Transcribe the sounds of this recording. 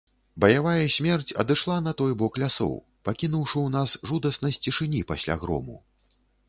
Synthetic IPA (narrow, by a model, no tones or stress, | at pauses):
bɐjavajɐsʲmʲɛrt͡sʲɐ̰d̪ɨʂlˠanɐt̪ɔjbɔklʲasɔ̰w | pakʲinuwʂɨwn̪asʐud̪ɐsnɐjsʲt͡sʲiʂɨnʲipasʲlʲa̰ɣɾɔ̰mṵ